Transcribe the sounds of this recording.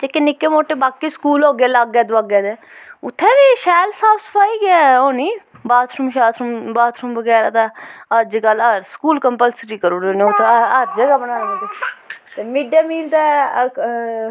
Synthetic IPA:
t̪ekːenɪkːeːmoːʈeːbaːkiːskuːloːɡaːləɡːɛːd̪ʊaɡɛːd̪eː | ʊt̪ʰːeːʋiːʃɛːlsaːpʰsə̥pʰaːiːɡɛːoːniːbaːt̪ʰɾumʃaːt̪ʰɾumbaːt̪ʰɾumʋəɡɛːɾaːt̪aːəd͡ʒkələɾskuːlkəmpəlsɾiːkəɾoːɾoːnẽːʊt̪ʰːeəɾd͡ʒəɡaːbənaːet̪eːt̪eːmiːɖjaːmiːlt̪a

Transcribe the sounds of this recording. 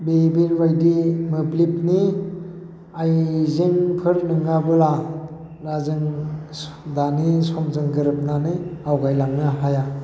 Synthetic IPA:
bebinwajdimɯplip̚ni | ajzeŋpʰɯɾnɯŋɡabɯla | ɾazɯŋ | danisɔmzɯŋɡɯɾɯp̚nanɯawɡajlaŋnaɦaja

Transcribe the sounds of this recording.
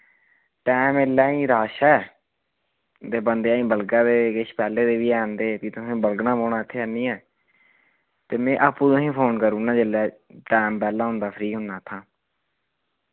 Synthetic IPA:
ʈɛːmelːɛːĩːɾaːʃɛː | d̪eːbənd̪eaːĩːbəlɡãːd̪eːkɪʃpɛːleːd̪eːʋiːɛːnd̪eːpiːt̪ʊsẽːbəlɡnãːmoːɽãːɪt̪ʰːeːɦɛnĩːɛ̃ː | t̪eːmɛ̃ːʔaːpːũːt̪osĩːpʰoːnkəɾuːnãːd͡ʒɪlːɛː | ʈɛːmpɛːlãːɦʊ̃nd̪aːpʰɾiːɦʊnːaːt̪ʰãː

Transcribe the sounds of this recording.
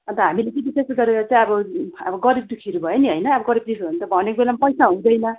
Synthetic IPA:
ʌnt̪ʌɦamilet͡sʌ̃bisesɡʌɾeɾʌt͡saj̃ʌbʌʌ̰bʌɡʌɾib̚d̪ukʰiɾubʱʌjeniɦʌjnʌːbʌɡʌɾib̚d̪isunt̪ʌbʱʌnekbelamapʌjsaɦũd̪ʌjnʌ

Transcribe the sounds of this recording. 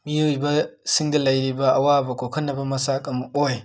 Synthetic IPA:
mijowibasiŋɡalaɾibaʔawabakokɐnːabamasakʼamaʔʼowa

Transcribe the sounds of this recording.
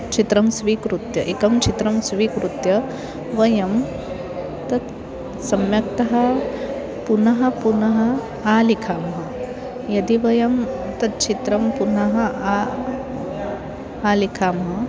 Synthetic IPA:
t͡ʃit̪ɾɐmsʋiːkɾut̪jɐʔekɐmt͡ʃʰit̪ɾɐmsʋiːkɾut̪jɐ | ʋɐjɐm | t̪ɐt̪ | sɐmjɐkt̪ɐɦɐ | punɐɦɐ̆punɐɦɐ̆ | aːlikʰaːmɦɐ | jɐd̪iʋɐjɐmt̪ɐt̪̚t͡ʃʰit̪ɾɐmpunɐɦɐ̆a | aːlikʰaːmɦɐ

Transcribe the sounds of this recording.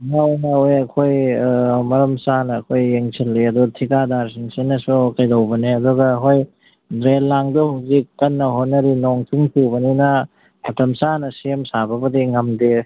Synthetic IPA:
ŋawnaojɐkʰojmɐɾɐmsanɐːkʰojːeŋsʰilːiɐdutʰikadaɾsiŋsinɐsukɐjdɐwbɐneɐduɡɐːkʰoj | dɾelːaŋbihawzikːɐnːɐɦonːɐɾinɔŋtʰiŋpʰiwbɐninɐ | mɐtɐmsanɐsiemsabɐbɐdiŋɐmde

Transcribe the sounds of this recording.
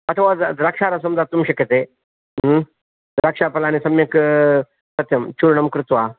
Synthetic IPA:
ɐt̪ʰʋad͡zd̪ɾakʂaɾasɐmd͡zat̪ːumɕeket̪e | ɾakʂapɐlaːnisɐmjek | sɐt̪jɐmt͡ɕuɾɳɐmkɾut̪ʋa

